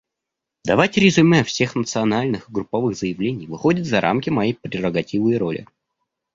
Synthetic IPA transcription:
d̪ɐvatʲɾʲɪzʊmʲɛfsʲe̞xnət̪sɨɐnalʲnɨxɨɡɾʊpːɐvɨɣzəjɪvlʲenʲɪjvɨxo̞dʲɪt̪zɐɾʔa̰mkʲɪmɐjejpɾʲɪrəɡɐtʲivɨjɾo̞lʲʔɪ̰

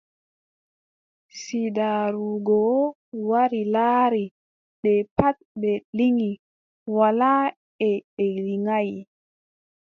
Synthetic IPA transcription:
sidaɾuɡɔ | waɾilaːɾi | ɗɛpat̪̚bɛliŋi | wala | ɛɗɛliŋaj

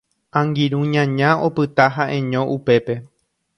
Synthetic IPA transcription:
ãŋɡiɾũɲãɲão̞pɨt̪aɦaʔẽ̞ɲõ̞ʔupe̞pe̞

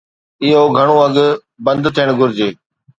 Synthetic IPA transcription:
ɪɦoːɡʱəɳ̃oːɐɡ | bə̃nd̪t̪ʰiɽ̃ɡʱʊɾɪd͡ʑeː

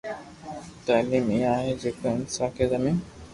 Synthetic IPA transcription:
t̪aːliːmiːaːɦed͡ʒeːkə̃ɪnsaːkʰeːzɐmiːn

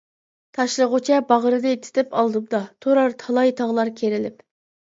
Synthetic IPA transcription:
t̪ʰɑʃlˠəʁʊt͡ʃʰɛbɑʁəɾɨd̪ɨt̪ʰɪ̥t̪ɪpɑlˠd̪ɨp̚d̪ɑt̪ʰoɾɑɾt̪ʰɑlˠɑjt̪ʰɑʁlˠɑɾkʲʰeɾɪlɪp

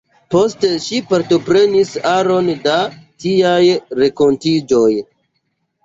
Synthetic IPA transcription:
po̞ste̞ʃipaɾto̞pɾe̞nisaɾo̞ndatiajɾe̞ko̞ntid͡ʒo̞j

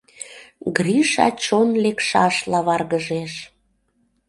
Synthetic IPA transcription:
ɡriʃɑ̰t͡ɕonlekʃɑʃlɑβɑrɣəʒeʃ

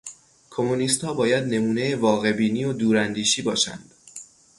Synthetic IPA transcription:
kʰo̞muniːst̪hɒːbɒːjæd̪ne̞muːne̞jevɒːɣe̞biːniːod̪uːɾænd̪iːʃiːbɒːʃæ̰nd̪̥

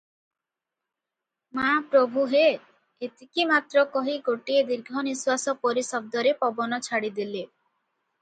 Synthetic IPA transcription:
mapɾobʱuɦeː | t̪ikimat̪ɾɔkɔɦiɡoʈied̪iɾɡʱɔniswasɔpoɾisɔb̚d̪ɔɾepɔbɔnɔt͡ʃʰaɽid̪ile

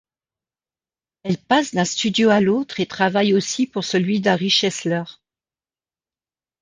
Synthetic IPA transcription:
ɛlpasd̪ɛ̃st̪yd̪joalot̪χet̪χavajosipuʁsəlɥid̪ãʁiʃɛslœʁ

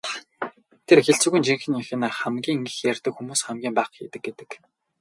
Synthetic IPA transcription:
t̪ʰerxeɬt͡sŭːɣujnt͡ɕiŋxɘ̆niŋxɘ̆naχæmɡʲiːŋŋɡɘ̆xjærʲt̪ə̆kxumuːsχæmɡʲiːmpæːχxiːt̪ɘ̆ɡ̚et̪ɘ̆k

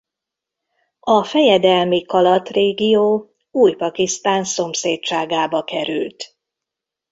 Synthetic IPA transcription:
ɒfɛjɛd̪ɛlmikɒlɒt̪reːɡijoː | uːjpɒkist̪aːnso̞mseːtt͡ʃaːɡaːbɒkɛɾy̰lt̪

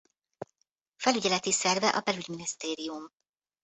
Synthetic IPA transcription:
fɛlyɟɛlɛt̪isɛrvɛʔɒbɛlyɟminist̪eːɾijum

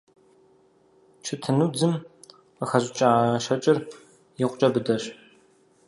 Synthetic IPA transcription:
t͡ʃʰɪtʰɨnud͡zɨm | qəxɐʑt͡ʃʼɐaʃɐt͡ʃʼɪr | jɪqʷt͡ʃʼɐbɨdɐɕ

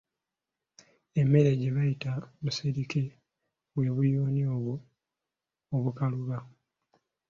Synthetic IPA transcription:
e̞mːe̞ɾe̞ɟe̞βajitamuseɾike | βwe̞ːβujoːnioβu | oβukaluβa

